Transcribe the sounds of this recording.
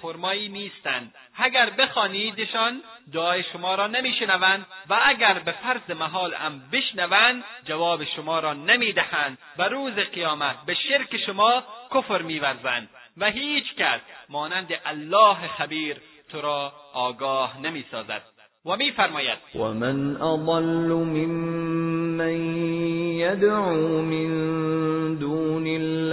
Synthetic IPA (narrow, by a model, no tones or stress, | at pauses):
foɾmɒːiːniːst̪ænd̪ | æɡæɾbexɒːniːd̪eʃɒːnd̪ʊɒːjeʃʊmɒːɾɒːnemiːʃenævænd̪væːɡæɾbefæɾzemaɦɒːlæ̰mbɪʃnævænd̪d͡ʒavɒːbeʃʊmɒːɾɒːnemiːd̪æhænd̪væɾuːzeqijɒːmæt̪̚beʃeɾkeʃʊmɒːkofɾmiːvæɾzænd̪̥ | væɦiːt͡ʃkæsmɒːnænd̪eʔalːɒːɦexæbiːɾ | t̪ʰoɾɒːɡɒːhnemiːsɒːzæ̰d̪̥̚ | wæmiːfæɾmɒːjæ̰d̪̥̚wa̰manʔɑd̪ˤɑlːʊmɪmː | anjad̪ʕumɪn | d̪uːnɪl